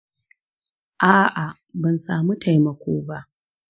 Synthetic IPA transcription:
ʔaː˦˨ʔa˨ | bɐ˨nsaː˨mu˦tʰa˨jmɐ˨kʷʰoː˦ba˦ʔ

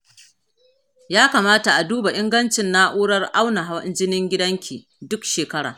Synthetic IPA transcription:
jaː˦kaː˨maː˦ta˨ʔa˨duː˦ba˨ʔɪ˦ŋɡɐ˦nt͡ʃɪ˨nːa˦ʔuː˦ɽɐ˦rʔa˦wna˨ɦa˦wɪ̰˦nd͡ʒɪ˦nɪ˦ŋɡʲɪ˦dɐ˦ŋkʲiː˨ | dʊ˦kʃeː˨kɐ˦ɽa̰ː˨

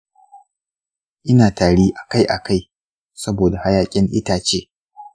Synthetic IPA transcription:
ʔɪ˦naː˨taː˨ɽiː˦ʔa˨ka˦jʔa˨ka˦˨j | sɐ˦boː˨da˨ha˦jaː˦kʲʼɪ˦ŋʔɪ̰˦taː˨t͡ʃeː˦

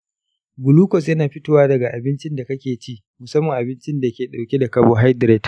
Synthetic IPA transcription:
ɡʊ˨luː˦kɔ˨s̬jɐ˦naː˨ɸɪ˦toː˦waː˦dɐ˨ɡa˨ʔa˨bɪ˦nt͡ʃɪ˦nda˨kɐ˦kʲeː˨t͡ʃiː˦ʔ | mʊ˨sɐ˦mːɐ˨ŋʔa˨bɪ˦nt͡ʃɪ˦nda˨˦kʲeː˨ɗa˨wkʲe˦da˨kɐ˦˨boː˦ɦa˦jdɾeː˦t

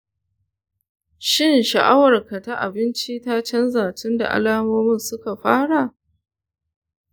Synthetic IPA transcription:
ʃɪ˦nʃɐ˨ʔa˦wɐ˨rka˨ta˦ʔa̰˨bɪ˦nt͡ʃi˦ta˦t͡ʃɛ˦nzaː˨tɪ˦nda̰˨ʔa̰˦laː˦moː˦mɪ˦˨nsʊ˦ka˨ɸaː˦ɽa˨

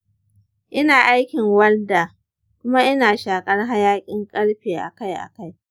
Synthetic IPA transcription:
ʔɪ˦naː˨ʔa˦jkʲɪ˨ŋwɐ˦rda˨ | kʷʊ˦ma˦ʔɪ˦naː˨ʃaː˨kʼɐ˦rɦa˦jaː˦kʲʼɪ˦ŋkʼɐ˦ɽɸeː˨ʔa̰˨ka˦jʔa̰˨ka˦j

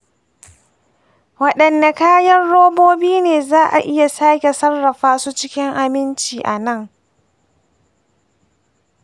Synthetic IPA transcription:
wɐ˦ɗɐ˨nda˨kaː˦jɐ˦rɽoː˦boː˦biː˦neː˨zaː˦ʔa̰˨ʔɪ˦ja˨saː˦kʲe˨sɐ˦rːɐ˨ɸaː˦su˦t͡ʃɪ˦kʲɪ˦ŋʔa˦mɪ˦nt͡ʃiː˨ʔa˨nɐ˦˨ŋ

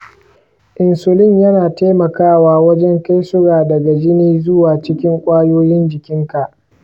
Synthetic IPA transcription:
ʔɪ˨nsʊ˨lɪ˦ɲjɐ˦naː˨ta˦mɐ˨kaː˦˨waː˦wɐ˦d͡ʒɛ˦ŋka˦jsʊ˦ɽaː˨dɐ˨ɡa˨d͡ʒɪ˦niː˦zʊ˦waː˨t͡ʃɪ˦kʲɪ˦ŋkʷʼaː˦joː˦jɪ˦nd͡ʒɪ˨kʲɪ˦ŋka˨ʔ

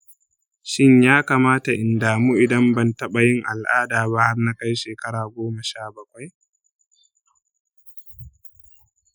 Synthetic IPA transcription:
ʃɪ˦ɲjaː˦kaː˨maː˦ta˨ʔɪ˨ndaː˨mu˦ʔɪ˨dɐ˦mbɐ˦˨ntɐ˦ɓa˨jɪ˦ŋʔa˨lʔaː˦daː˨ba˦ha˦rna˦ka˦jʃeː˨kɐ˦ɽaː˨ɡʷoː˦mɐ˨ʃaː˦˨bɐ˦kʷa˦j

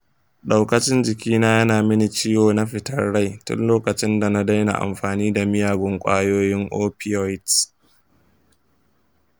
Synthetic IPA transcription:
ɗa˨wkɐ˨t͡ʃɪ˦nd͡ʒɪ˨kʲiː˦naː˦jɐ˦naː˨mɪ˦ni˨t͡ʃi˦joː˨na˦ɸɪ˨tɐ˦rɽa˦jtʊ̰˦nloː˦kɐ˨t͡ʃɪ˦nda˨na˦da˦jna̰˨ʔa̰˨mɸaː˨niː˦da˨mɪ˦jaː˨ɡʷʊ˦ŋkʷʼa̰ː˦joː˦jɪ˦ŋʔoː˦pi˦ɔ˦ɪ˦t

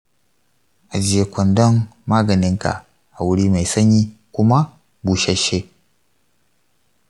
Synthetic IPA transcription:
ʔa˨d͡ʒɪ˦je˦kʷɔ˨ndɔ˦nːaː˦ɡɐ˨nɪ˦ŋka̰˨ʔ | ʔa˨wʊ˦ɽiː˦ma˨jsɐ˦ɲji˦kʷʊ˦ma˦ | buː˨ʃa˦ʃe˦

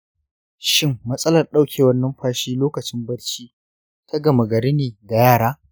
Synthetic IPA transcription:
ʃɪ˦mːɐ˦sʼɐ˦lɐ˨rɗa˦wkʲʰeː˨wɐ˦nːɐ˦mɸaː˦ʃiː˦loː˦kɐ˨t͡ʃɪ˦mbɐ˦ɽt͡ʃiː˦ | tʰa˦ɡɐ˨mɐ˨ɡɐ˨ɾe˦neː˨da˨jaː˦˨ɽaː˦

